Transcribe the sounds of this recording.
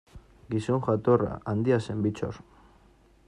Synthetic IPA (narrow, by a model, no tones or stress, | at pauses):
ɡiso̞ŋʝat̪ora̰ʔand̪iase̞mbit͡ʃo̰ɾ